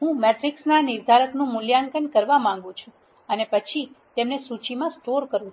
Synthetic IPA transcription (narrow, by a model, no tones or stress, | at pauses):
ɦũmɛʈɾiksnaniɾd̪ʱaɾəknũmʊljaŋkəɳkəɾʋamãŋ̆ɡũt͡ʃʰũ | ənepət͡ʃʰit̪emnesut͡ʃimãsʈoɾkəɾũ